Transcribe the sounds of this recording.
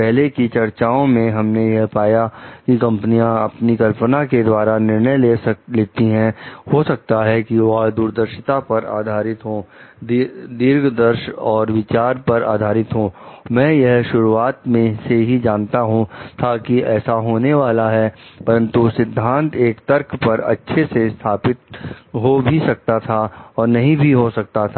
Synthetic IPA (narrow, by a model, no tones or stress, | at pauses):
pɛɦlekit͡ʃɐɾt͡ʃaːõmẽɦɐmnejɐɦpaːjakikɐ̃mpənijãɐpnikɐlpənaked̪waːɾanɪɾnəjleːleːt̪iɦɛ̃hosɐk̚t̪aɦɛkiʋɐɦd̪uːɾd̪əɾʃɪt̪apɐɾa̰ːd̪ʱaːɾɪt̪ɦoː | d̪ɪɾɡʱd̪ɐɾʃɔːɾʋɪt͡ʃaːɾpɐɾa̰ːd̪ʱaːɾɪt̪ɦoːmɛ̃ːjɐɦʃʊɾuaːt̪mẽseɦid͡ʒaːnt̪aɦũt̪ʰakiɛːsaɦoːneʋaːlaɦɛpɐɾə̃nt̪usɪd̪ʱːãːnt̪eːkt̪ɐɾkʰpɐɾɐ̰tːʃʰesest̪ʰaːpɪt̪̚ɦobʱisɐk̚t̪at̪ʰaɔːɾnɐɦĩbʱiɦosɐk̚t̪at̪ʰaː